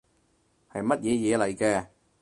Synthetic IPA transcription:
hɐ˨jmɐ˥t̚jɛː˨˧jɛː˨˧lɐ˨˩jkɛː˧

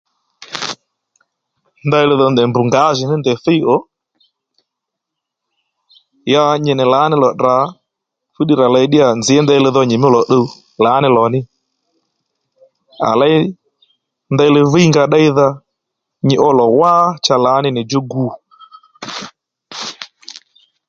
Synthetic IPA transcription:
nda˦ɪ˧lɪ˧ðɔ˧ndɛ˨mbu˨ŋɡa˨˦ʒɪ˨nɪ˦ndɛ˨θe˦i˦ɔ˦ | ja˧ɲɪ˨nɪ˨laː˨˦nɪ˦lɔ˨ɗa˨˦ | fu˦ɗi˨ɾa˨la˧i˦ɗɪ˦a˨nd͡zɪ˨ɛ˦nda˦ɪ˧lɪ˧ðɔ˧ɲɪ˨m˦lɔ˨ɗo˦u˦ | la˨˦nɪ˧˨lɔ˨nɪ˦ | a̰˨la˦i˦ | nda˦˧ɪ˧˦lɪ˧vi˦i˦ŋɡa˧ɗa˦i˦ða˧ | ɲɪ˨ʔɔ˦lɔ˨wa˦t͡ʃa˧laː˨˦nɪ˦nɪ˨d͡ʒo˦ɡu˧˨

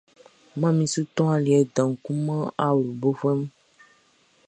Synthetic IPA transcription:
mã˦mĩ˨su˦t̪ɔ̃˦a˦li˨ɛ˨dã˨ŋ̩˨ku˦mã˦a˦wlu˨bo˦vɛ˦m˦

